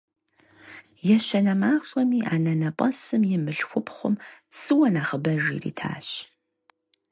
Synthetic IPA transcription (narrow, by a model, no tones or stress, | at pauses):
jɛɕɐnɐmaːχɕʷʼɐmiːʔaːnɐnɐpʼɐsɨmjɪmɨɬxʷʊpʰχʷʊ̰msɨwɐnaːχəbɐʒḭːrḭːtʰa̰ːɕ